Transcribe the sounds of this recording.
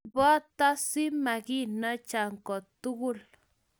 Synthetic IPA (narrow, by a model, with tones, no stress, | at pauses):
bwa˦t̪a˦si˦ma˨ɡi˦na˦t͡ʃa˨ŋko˨t̪u˦ɣu˦l